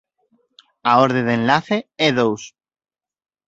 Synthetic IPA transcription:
aoɾðeðenlaθeeðows

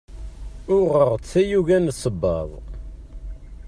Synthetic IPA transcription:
ʊʁəʁt͡sæjuʝænsˤːəbːɑ̰ðˤ

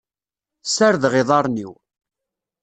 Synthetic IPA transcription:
səɾðʁɪðˤɑɾˤnḭw

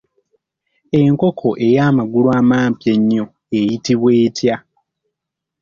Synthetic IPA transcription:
e̞ŋko̞kʰo̞ʔe̞jaːmaɡuluaːmaːmpjeɲːo̞ | ejitiβweːtja

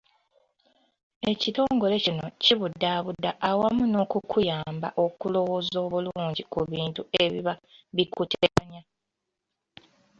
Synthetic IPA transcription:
e̞cito̞ːŋɡo̞le̞cino̞̰ciβudːaːβudːaʔːwamuno̞ːkukʰujaːmba̰ʔo̞kulo̞woːzo̞ːβuluːɲɟikuβiːntue̞βiβaβikutʰeɾaɲa

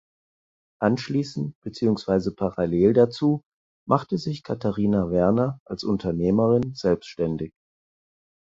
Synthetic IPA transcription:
ʔanʃliːsn̩t̚b̥ət͡siːʊŋsv̥aɪzəpʰaʁaleːldat͡suː | mʔaχtəzɪçkʰatʰaʁiːnavɛɐnɐʔalsʔʊntʰɐneːməʁɪnz̥ɛlpstʃtɛndɪç

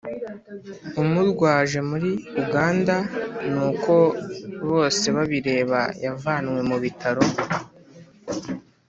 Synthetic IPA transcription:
umudɡwaːʒe̞muɾiuɡaːndanuːko̞βo̞ːse̞βaβiɾe̞ːβa̰javaːnŋwe̞muβitʰaɾo̞

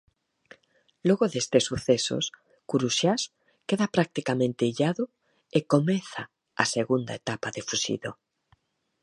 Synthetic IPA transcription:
loɣoðest̪esːuθeso̰s | kuɾusjas | keðapɾak̚t̪ikamẽnt̪eiʎaðo | ekomeθa | aseɣund̪aet̪apaðefusḭðo

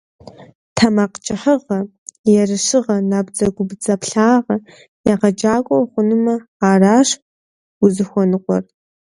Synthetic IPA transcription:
tʰɐmaːqt͡ʃʼɪħəʁɐ | jɛrɨʂɨʁɐnaːbd͡zɐɡʷʊbd͡zɐpɬaːʁɐ | jaʁɐd͡ʒaːkʷʼɔwχʷʊnɨmɐaːraːʂ | ʊzɨxʷɔnɨqʷʼɔ̰r

